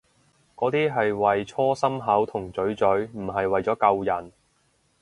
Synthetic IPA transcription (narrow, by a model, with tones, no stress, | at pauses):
kɔː˨˥t̪iː˥ɦɐ˨jwɐ˨jt͡ʃʰɔː˥sɐ˥mɦɐ˨˥wt̪ʰʊ˨˩ŋt͡sɵ˨˥ɥt͡sɵ˨˥ɥm̩˨˩ɦɐ˨jwɐ˨jt͡sɔː˨˥kɐ˧wjɐ˨˩n